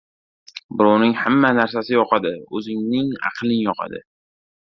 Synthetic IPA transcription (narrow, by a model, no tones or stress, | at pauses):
bɪɾɒwnɪŋhamːanaɾsasɪjɒqʰɑd̪ɪɵzɪŋnɪŋɑ̰qʰlˠɪnjɒqʰɑ̰d̪ɪ̰